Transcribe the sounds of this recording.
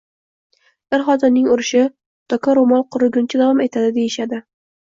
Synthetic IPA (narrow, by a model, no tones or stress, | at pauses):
ɪɾχɒt̪ɪmnɪŋʊɾɪʃɪ | t̪ɒkʰaɾomɒlˠqʰʊɾʊɡʲʊnt͡ʃʰad̪avɒme̞t̪ʰad̪ɪd̪e̞jɪʃad̪ɪ